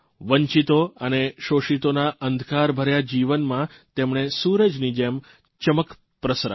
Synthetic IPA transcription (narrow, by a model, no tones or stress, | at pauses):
ʋəɲt͡ʃit̪oəneʃoʃit̪onaʔənd̪ʱkaɾbʱəɾjad͡ʒiʋənmã | t̪emɳ̃esuɾəd͡ʒnid͡ʒem | t͡ʃəmək | pɾəsɾa̰